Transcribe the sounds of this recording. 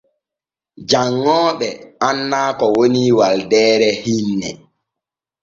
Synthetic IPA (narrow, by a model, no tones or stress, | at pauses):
d͡ʒaŋːɔːɓɛanːaːkɔwoniwaldɛːɾɛhinːɛ̰